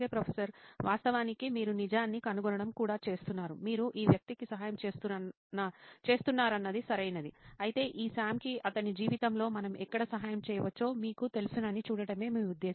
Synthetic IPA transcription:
eːpɾɐpʰesɐɾʋʔaːst̪ɐʋaːnikimiːɾunid͡ʒaːnːikɐnuɡɔnɐɽɐmkuːɽaːt͡ʃe̞ːst̪unːaːɾumiːɾuʔiːʋjɐk̚t̪ikisɐɦaːjɐmt͡ʃe̞ːst̪u | ɐt͡ʃe̞ːst̪unːaːɾɐnːɐd̪isɐɾɐjnɐd̪iɐjit̪e̞ːʔiːsaːmkiʔɐt̪ɐnid͡ʒiːʋit̪ɐmlo̞ːmɐnɐmɛkːɐɽɐsɐɦaːjɐmt͡ʃɛːjɐʋɐt͡ʃːo̞ːmiːkut̪e̞lusunɐnːit͡ʃuːɽɐɽɐme̞ːmiːud̪ːeː

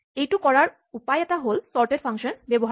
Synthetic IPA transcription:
ejʈukɔɹaɹ | upajɛt̪aɦolsɔɹʈeɖfʰaŋʃɔnbeboɦ

